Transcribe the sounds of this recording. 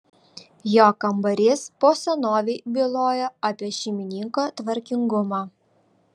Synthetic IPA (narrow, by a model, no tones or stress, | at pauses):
joːkɐmbɐɾʲɪspoːsɐnoːʋʲeɪbʲɪlˠoːjɛɑpʲiɛʃʲɛmʲɪnʲiŋkoːt̪ʋɐɾʲkʲɪŋɡʊmɑ